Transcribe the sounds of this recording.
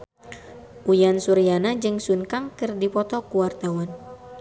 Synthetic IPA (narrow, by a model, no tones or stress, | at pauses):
ʔujansuɾijanad͡ʒɨŋsunkaŋkɨrdipɔt̪ɔkuwart̪awan